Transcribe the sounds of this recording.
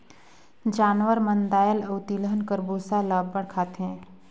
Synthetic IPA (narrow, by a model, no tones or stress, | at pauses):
d͡ʒaːnʋəɾmənd̪aːjəlɐʊt̪iləɦənkəɾboːsalaːbːəɽkʰaːt̪ɦɛ̃ː